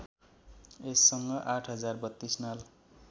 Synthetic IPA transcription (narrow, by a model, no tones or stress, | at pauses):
esːʌŋɡʌʔaʈʰɦʌd͡zarbʌt̪ːisnal